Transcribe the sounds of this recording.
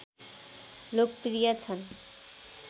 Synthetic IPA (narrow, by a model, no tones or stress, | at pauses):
lok̚pɾijat͡sʰʌn